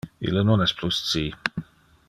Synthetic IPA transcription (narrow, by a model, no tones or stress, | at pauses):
ḭlənonɛspʰlust͡si